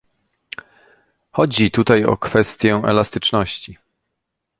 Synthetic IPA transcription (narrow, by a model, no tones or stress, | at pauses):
xɔd͡ʑit̪ut̪ajɔ̰kfɛst̪ʲjɛɛ̰last̪ɘt͡ʂnɔɕt͡ɕi